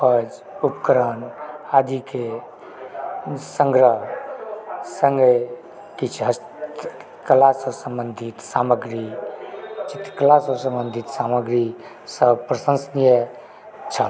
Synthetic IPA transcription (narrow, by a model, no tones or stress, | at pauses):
pəd͡ʒ | upkəɾənad̪ike | səŋɡɾəɦ | səŋɡe | kit͡ʃʰɦəst | kəlasəsəmbənd̪ʱit̪saməɡɾi | t͡ʃit̪kəlasəsə̃mbənd̪ʱit̪saməɡɾi | səb̚pɾəsə̃nsnijə | t͡ʃʰə